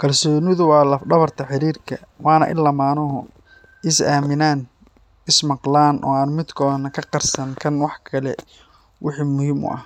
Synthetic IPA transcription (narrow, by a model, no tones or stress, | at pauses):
kʰɐlsɔːnɪðʊwɑːlɐfɖɐβɐrt̪ʰɐħɪɾiːrkʰɐ | wɑːnɐ̰ʔɪ̰lːamaːnɔɦɔ | ɪsaːmɪnaːn | ɪsmɑqlaːnʔɔ̰ːaːnmɪd̪kʰɔːnɐkʰɐqɑrsɐŋkʰɐnwɑħkʰɐlɛ̰ | wɪħiːmːʊhiːmʊ̰ʔɐ̰h